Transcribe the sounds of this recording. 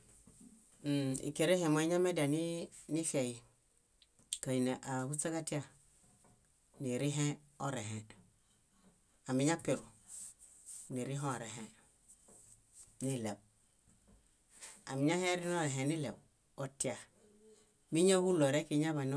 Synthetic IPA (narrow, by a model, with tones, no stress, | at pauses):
m̩˨ḭ˨ke˨ɾe˦he˨ma˨i˦ɲa˦me˦da˨ni˦ni˦fe˨ji˨ | ka˨ji˨ne˨ʔa˨hu˦t͡sa˦ka˦ti˦a˨ | ni˨ɾi˦ɦe˦ | o˦ɾe˨ɦe˨ | a˨mi˨ɲa˦pe˨ɾu˨ | ni˨ɾi˦ɦo˦˨ɾe˨ɦe˦ | ni˦le˨b̚ | a̰˨mi˨ɲa˦he˦ɾi˦n˦o˦ɾe˨ɦe˨ni˦le˨b | o˦ti˦a˨ | mi˦ɲa˦hu˦lo˨ɾe˦ki˦ɲa˦βa˨n˦